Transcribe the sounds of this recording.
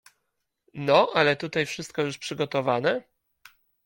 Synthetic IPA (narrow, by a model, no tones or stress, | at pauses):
nɔʔalɛt̪ut̪ajfʂɘst̪̚kɔjuʂpʂɘɡɔt̪ɔvanɛ